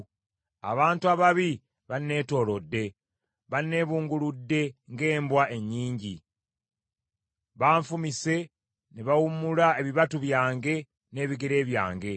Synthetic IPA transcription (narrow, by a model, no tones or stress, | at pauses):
a̰βaːntuaβaβi | βanːe̞ːto̞ːlo̞dːe̞ | βanːe̞ːβuːŋɡuludːe̞ŋɡe̞ːmbwaʔe̞ɲːiːɲɟi | βaːɱfumise̞ | neβawumulae̞βiβatuβjaːŋɡe̞ | ne̞ːβiɡe̞ɾe̞ːβja̰ːŋɡe̞